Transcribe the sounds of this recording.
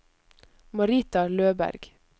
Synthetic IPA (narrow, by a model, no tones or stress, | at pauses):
mɑɾiːt̪ɑløːbæ̰ɾɡ̥